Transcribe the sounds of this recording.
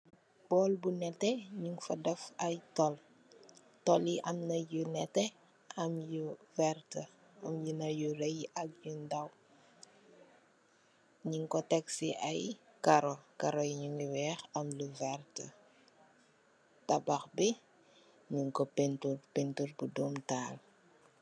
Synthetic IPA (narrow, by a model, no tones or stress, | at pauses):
b̥ɔːlbunɛtːɛɲuŋfɐdɐfɐjtɔl | tɔliʔɐmnɐjunɛtːɛ | ɐmjuvɛrtə | ɐmjunɐjuɾɛjɐk̚jundɐw | ɲiŋkɔtɛksiʔɐjkaɾɔkaɾɔjiɲuŋiwɛːxɐmluvɛrtə | tɐbɐxbi | ɲuŋkɔpɛntuɾpentuɾbudɔmtaːl